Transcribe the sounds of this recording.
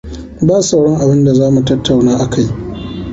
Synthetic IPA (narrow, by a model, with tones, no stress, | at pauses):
baː˦sɐ˨wɽɔ˦ŋʔa˨bɪ˦nda˨zaː˦mu˨tɐ˦tʰːa˨wnaː˦ʔa˨ka˦j